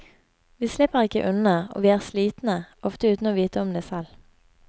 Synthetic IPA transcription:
ʋiːslɪpəʁɪkəʔʉnəo̰ːʋiːæːʁsliːt̪n̩əʔɔft̪əʉːt̪n̩oːʋiːt̪əɔmd̪eːsɛl

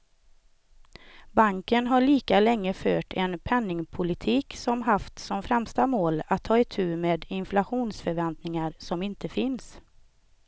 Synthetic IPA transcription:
baŋkənɦaɭiːkalɛŋːəføːʈʰɛnpʰɛnːɪŋpʰʊlɪt̪ʰiːksɔmɦaft̪sɔmfɾɛmst̪amoːlat̪ʰːɑːɪt̪ʰʉ̟ːmeːd̪ɪnflaɧuːnsfœɾvɛnt̪nɪŋaɾsɔmɪnt̪əfɪns

